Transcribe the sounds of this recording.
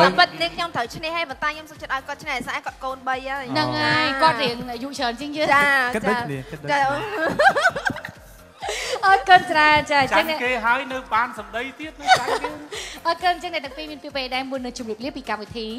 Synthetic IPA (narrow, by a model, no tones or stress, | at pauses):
aːmpɨt̪̚niəŋkʰɲomt̪ʰəwt͡ɕʰnɛhaːjpɔnt̪aɛɲomsŋt͡ɕət̪ʔaɔjkoət̪̚t͡ɕʰnɛhʔesaʔkŏət̪̚koːnɓəjaəjnɨŋʔaːjkŏət̪̚riəŋnʔjuʔt͡ɕʰəːnt͡ɕɨəŋt͡ɕɨət͡ɕat͡ɕːt͡ɕa | ʔɔːkʊnt͡ɕraənt͡ɕaːt͡ɕəŋnɛkeːɦaəjnɨwɓaːnsɑmɗəjt̪iət̪̚nɨŋa | ʔɔːkʊnɲt͡ɕəŋnɛʔt̪ɛəŋpiːmiənpiəpeɗaɛmuənːɨt͡ɕumriəp̚liəpːiːkamʋit̪ʰiː